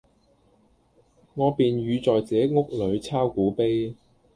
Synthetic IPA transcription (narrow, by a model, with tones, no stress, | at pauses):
ŋɔː˨˧piː˨nɥyː˨˧t͡sɔː˨jt͡sɛː˨˥ŋʊ˥k̚lɵ˨˧ɥt͡sʰaː˥wkuː˨˥pe˥j